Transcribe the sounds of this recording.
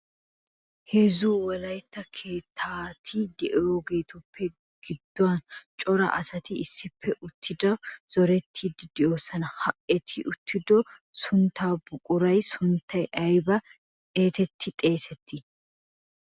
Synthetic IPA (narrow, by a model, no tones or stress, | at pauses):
hezuːwɐlɐjt̪ːɐkʰe̞ːt̪ʰːaːt̪ʰid̪ɛʔɛjoːɡe̞ːt̪ʊpʰːɛ | ɡ̥ɪd̪ːʊwɐnt͡ʃʼɔɾɐ̰ʔɐsɐt̪ɪɪsːɪpʰːɛʔʊt̪ʰːɪd̪ɐz̥ɔɾɛt̪ʰːid̪ɪd̪̥ɪoːsɐnɐhɐʔɛt̪ʰɪʔʊt̪ːɪd̪ɔsʊnt̪ːaːbʊkʼʊɾɐjsʊnt̪ʰːɐjʔɐjbɐ | eːt̪ɛt̪ʰːɪt̪ʼe̞ːsɛt̪ʰːɪ